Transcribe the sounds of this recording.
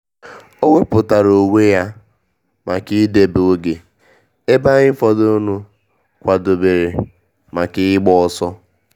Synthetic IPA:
o˦wʷe˦pʊ˨ta˨ɾo˨we˦ja˦ | ma˨ki˦de˨be˨e˦ɡe˨ | e˦ba˦ɣɪ˦fɔ˨do˦nu˦ | kʷa˨do˨be˨ɾe˨ | ma˨kɪ˦ɪ˦ɡ͡bɔ˦˨ɔ˦sɔ˦

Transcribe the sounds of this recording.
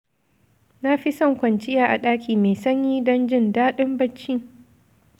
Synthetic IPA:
na˦ɸi˦sɔ˦˨ŋkʷɐ˨nt͡ʃɪ˦jaː˨ʔa˨ɗaː˦kʲʰiː˨meː˨sɐ˦ɲjiː˦dɐ˦nd͡ʒɪ˦˨ndaː˦ɗɪ˦mbɐ˦t͡ʃːiː˦

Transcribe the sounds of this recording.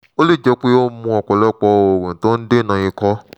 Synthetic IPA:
o˦le˦˨d͡ʒɛ˨˧k͡pe˦o˦mũ˧ɔ˨k͡pɔ˨lɛ˦˨k͡pɔ˧o˨wẽ˨to˦n̩˦de˦nã˨je˧kɔ˦

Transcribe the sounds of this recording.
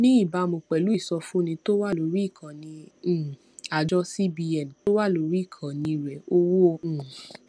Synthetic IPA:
nĩ˦i˦˨ba˧˦˨mõ˧k͡pɛ˨lu˦i˦˨sɔ˧fũ˦nĩ˧to˦wa˦lo˨˧ɾi˦˨kʰã˨nĩ˧˨ | a˨d͡ʒɔ˦si˦bi˧ɛ˨n˨to˦wa˦˨lo˨˧ɾi˦˨kʰã˨nĩ˧ɾɛ˨o˧wõ˦˧˨

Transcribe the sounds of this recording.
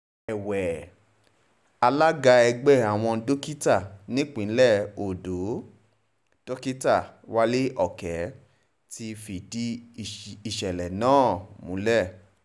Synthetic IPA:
ɛ˨wɛ˨ | a˧la˦ɡa˧ɛ˧ɡ͡bɛ˦˨a˨w̃ɔ̃˧do˦ki˦ta˦˨nĩ˦k͡pĩ˨˦lɛ˦˨o˨do˨˦ | d̥o˦ki˦ta˦˨wa˦le˦ʔɔ˦˨kɛ˨˦ | ti˧fi˨di˦ | i˨ʃɛ˨lɛ˨nãː˦˨mṵ̃˨˦lɛ˦˨

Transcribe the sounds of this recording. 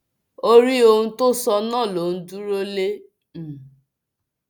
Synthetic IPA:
o˦ɾi˦o˧ɦũ˦to˦sɔ˧nãː˦˨lo˨n̩˦du˦ɾo˦le˦ | m̩˨

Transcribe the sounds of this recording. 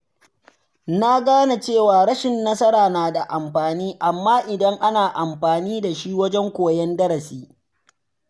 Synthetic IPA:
na˦ɡaː˦na˨t͡ʃeː˦˨waː˨ɾɐ˦ʃɪ˨nːɐ˦sɐ˦ɾaː˨naː˨da˨ʔa˨mɸaː˨niː˦ʔa˨mːaː˦ʔɪ˨dɐ˦ŋʔa˦naː˨ʔa˨mɸaː˨niː˦da˨ʃi˦wɐ˦d͡ʒɛ˦ŋkʷoː˨jɛ˦ndɐ˦ɾɐ˨siː˦

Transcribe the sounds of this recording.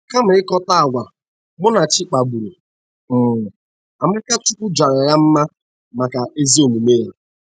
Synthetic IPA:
ka˦m̩˨ɪ˦kɔ˦ta˦a˨ɡʷa˨ | mʊ˦na˨t͡ʃɪ˦k͡pa˨bu˨ɾu˨˦˨ | a˨ma˦ka˦t͡ʃu˦kʷʊ˦d͡ʒa˨ɾa˨ja˦m̩˦ma˦ | ma˨ka˨ʔe˦zi˦o˨mu˨me˦˨ɾe˨

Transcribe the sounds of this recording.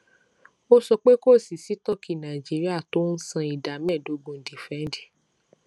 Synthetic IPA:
o˦sɔ˧k͡pe˦ko˦˨si˨si˨˦tɔ˦˨ki˨nã˨i˨d͡ʒi˨˦ɾi˦a˦˨to˦n̩˦sã˧i˨da˨˦mɛ̃˦˨do˨˧˦ɡõ˧˨n̩˨di˨fɛ̃˨˦n˦di̥˦˨

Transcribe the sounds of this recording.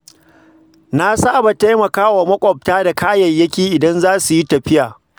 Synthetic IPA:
na˦saː˦˨ba˨ta˦jmɐ˨kaː˦wa˨mɐ˦kʷʼɔ˨p̚taː˦da˨kaː˦jɐ˨jːɐ˦kʲiː˨ʔɪ˨dɐ˦nzaː˦su˨ji˦tɐ˨ɸɪ˦jaː˨

